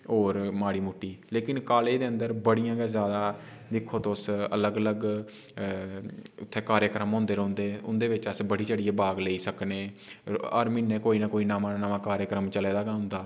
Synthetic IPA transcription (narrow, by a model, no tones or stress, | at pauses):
oːɾmaːɽiːmʊʈːiːleːkɪnkaːleːd̪eːənd̪əɾbəɽijãːɡɛːzjaːd̪aː | d̪ɪkʰoːt̪oʊsələɡələɡ | ʊt̪ʰːeːkaːɾjəkɾəmɦõːnd̪eːɾõːnd̪eːʊnd̪eːʋɪt͡ʃəsbəɽiːt͡ʃəɽiːeːbaːɡleːiːsəkneːə̰ɾmiːnːẽːkoːiːnakoːiːnaːmaːnːnamãːkaːɾjəkɾəmt͡ʃəleːd̪aːɡãːɦʊ̃nd̪aː